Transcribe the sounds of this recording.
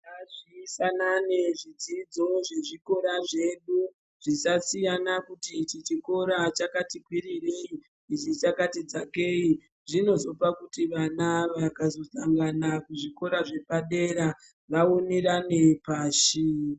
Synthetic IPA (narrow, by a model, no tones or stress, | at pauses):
aʐisananeʐid͡zid͡zo̞ʐe̞ʐiko̞ɾaʐe̞ɗu | ʐ̥isasijanakutit͡ʃit͡ʃiko̞ɾat͡ʃakatikwirirei | it͡ʃit͡ʃakatid͡zake̞i | ʐino̞zo̞pakutiʋanaʋakazo̞saŋɡanakuʐiko̞ɾaʐe̞paɗe̞ɾa | ʋaoneɾanepaːʃi